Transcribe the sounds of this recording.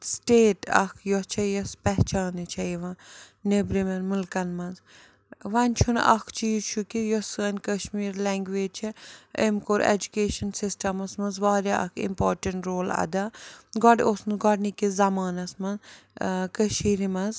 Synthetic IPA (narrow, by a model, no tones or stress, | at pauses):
sʈeːʈɐ̰kʰjɔt͡ʃʰɐjɔspɛɦt͡ʃaːnit͡ʃʰɐjʋɐ̃nebɾimɐnmulkɐnmɐnz | ʋɐnʲt͡ʃʰunɐ̰kʰt͡ʃʰijt͡ʃʰukijɔsɐnʲkəʃmiːɾlɛːŋɡʋeːd͡ʒt͡ʃʰɛemkoːɾḛd͡ʒukeːʃɐnsisʈɐmɐsmɐnzʋaːɾʲjaʔɐ̰kʰḭmpoːɾʈɐɳʈɾoːlɐ̰d̪aɡɔɖosnɡɔɽnikizɐmaːnɐsmɐz | kəʃiːɾimɐz